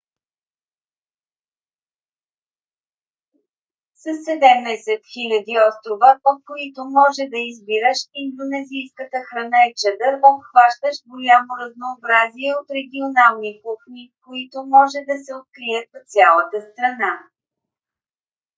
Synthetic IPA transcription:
sɐsːɛd̪ɛmnɛsɛt̪xilʲɐd̪iɔst̪ɾovəpəfkoit̪omɔʒɛd̪ɐizbiɾəʃind̪onɛzijskət̪əxɾɐnaɛt͡ʃɛd̪əɾvəfxvaʃt̪əʃɡolʲamoɾɐznoːbɾaziɛot̪ɾɛɡʲionalˠnikuxnʲikoit̪omɔʒɛd̪ɐsɛot̪̚kɾiɛt̪t̪sʲjalˠət̪əst̪ɾɐna

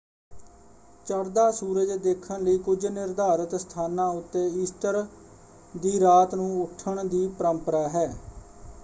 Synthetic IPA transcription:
t͡ʃəɾd̪aːsuːɾəd͡ʒd̪eːkʰːənləiːkʊd͡ʒnɪɾd̪aːɾət̪st̪ʰaːnãːʊt̪ːeːiːsʈəɾ | d̪iːɾaːt̪nũːʊʈʰːəɳd̪iːpəɾəmpəɾaːɦɛː

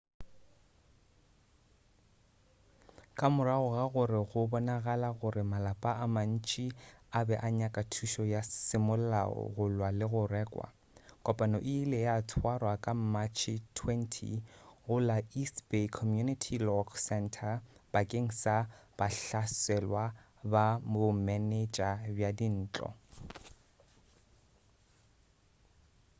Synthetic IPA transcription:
kʼamʊɾaɣʊɣaɣʊɾɪɣʊbɔnaɣalaɣʊrɪmalapʼaʔaman̩t͡ʃʼiabɛʔaɲakʼatʰuʃɔjasɪmʊl̩la̰ɔ̰ɣʊlwalɪɣʊrɛːkʼwa̰ | kʼɔpʼanɔʔɪːlɛjatʰwarwakʼam̩mat͡ʃʰɪtʰwɛntʰḭɣʊlaisbekʰɔmjunitʰilɔkʰsɛntʰabakʼeŋ̩sab̥aɬasɛlwa | bamʊmɛnet͡ʃʼabjadin̩ːt͡ɬʼɔ̰

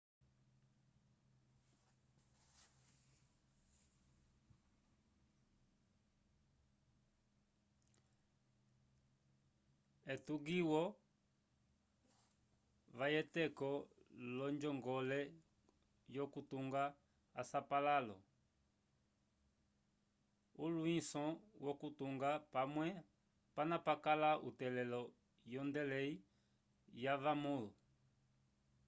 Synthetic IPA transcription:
ɛtuɡiwɔ | vajɛtɛkɔlɔɲd͡ʒɔŋɡɔlɛ | jɔkutuŋɡaː | sapalalɔ̰ | uluisɔwɔkutuŋɡapamwɛ | panapakalaʔutɛlɛlɔ | jɔndɛlɛi | javamulu

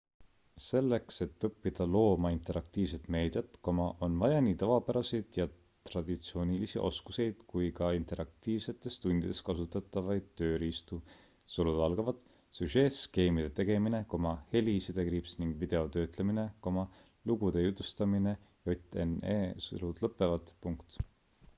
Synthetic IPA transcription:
se̞lːe̞kse̞t̪ːɤpːid̪̥ɑlo̞ːmɑint̪ˑe̞ɾʔɑk̚t̪iːvse̞t̪me̞ːd̪̥jɑt̪ko̞mɑʔo̞nvɑjɑnit̪ɑvɑpæɾɑsid̪̥jɑ | t̪rɑd̪̥it̪sio̞ːnilisiʔo̞̰skuse̞jd̪̥kujkɑint̪e̞ɾʔɑk̚t̪iːvse̞t̪ːˑe̞st̪und̪id̥̪e̞skɑsut̪ːˑɑt̪ˑːɑvɑjd̪̥̚t̪ø̞ːɾiːst̪u | solud̪̥ɑlɡ̥ɑvɑd̪̥ | syʒe̞ːske̞ːmid̪e̞t̪e̞ɡ̥e̞mine̞ko̞mɑhe̞lisid̪̥e̞kɾipsniŋɡ̥vid̪̥e̞o̞t̪ø̞ːt̪le̞mine̞ko̞mɑ | luɡud̪̥e̞jut̪ːˑust̪ɑmine̞ | jot̪enḛːso̰lud̪̥lɤpːˑe̞vɑt̪puŋkt̪

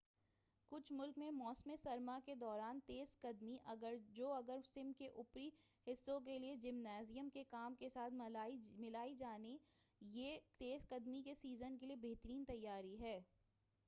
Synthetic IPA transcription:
kʊt͡ʃʰmʊlkmẽmɔːsmesɐɾmaked̪ɔːɾaːnt̪eːzkɐd̪miʔɐɡəɾd͡ʒoːɐɡəɾsɪmkeʔʊpɾihɪsːõk̬elied͡ʒɪmnaːzijəmkekaːmkesaːt̪ʰmɪlaːid͡ʒaːnijeːt̪eːzkɐd̪mikesiːzənkeliebeɦt̪əɾiːnt̪ɐjːaːɾiɦɛː

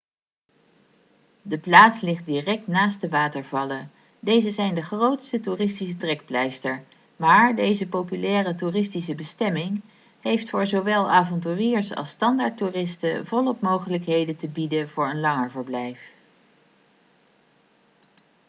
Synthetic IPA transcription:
dəplaːtslɪχt̚dirɛk̚tnaːst̚dəʋaːtəɹvɑlə | dejzəzɛjndəχrowtstəturɪstisətrɛkplɛjstəɹ | maːɹdejzəpowpylɛːrəturɪstisəbəstɛmɪŋ | ɦejftfʊːɹzowʋɛlˠaːvɑntyːriːɹsɑ̰lˠstɑndaːɹturɪstəvɔlˠɔpmowχələkɦejdəntəbidəvʊːɹənlɑŋəɹvəɹblɛjf

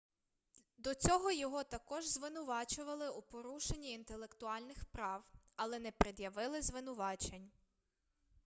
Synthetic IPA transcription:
d̪ɔt͡sʲɔɦɔjɔɦɔt̪ɐkɔʒzʋɪnʊʋɑt͡ʃʊʋɐlˠɪupɔɾuʃenʲːiːnt̪elˠekt̪ʊɑlʲnɪxpɾɑwɐlˠɛnɛpɾɪd̪jɐʋɪlˠɪzʋɪnʊʋɑt͡ʃenʲ

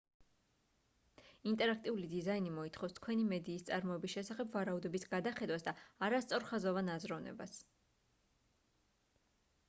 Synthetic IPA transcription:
int̪ʼɛɾak̚ʰt̪ʼiulid̪izainimɔit̪ʰχɔfst̪ʰkʰwɛnimɛd̪iːst̪sʼaɾmɔɛbisʃɛsaχɛbvaɾaud̪ɔbisɡad̪aχɛd̪wasd̪aːɾast̪sʼɔɾχazɔvanazɾɔvnɛ̰ba̰s

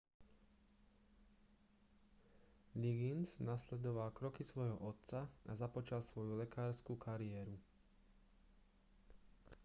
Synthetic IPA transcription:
liɡinznaslɛd̪ɔʋalkɾɔkisʋɔjɦɔʔɔt̪t͡saazapɔt͡ʃalsʋɔjulɛkaːɾskuːkʰaɾiɛːɾu

